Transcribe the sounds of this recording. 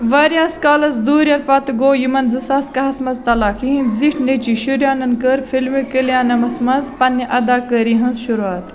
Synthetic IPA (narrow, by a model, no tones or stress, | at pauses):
ʋɐːɾjaːskaːlɐzd̪uːɾʲɐɾpɐt̪ɡoːjimɐnzɨsaːskɐɦɐsmɐzt̪ɐlaːkʰiɦĩnziʈʰnet͡ʃiʃuɾjaːnɐnkəɾfilmikəljãːnɐmɐsmɐnzpɐnːiʔɐd̪aːkəːɾiɦɐ̃nzʃuɾuaːt̪